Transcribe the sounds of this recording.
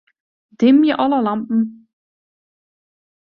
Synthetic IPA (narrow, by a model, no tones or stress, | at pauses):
d̥ɪmiʔɔlɐlampm̩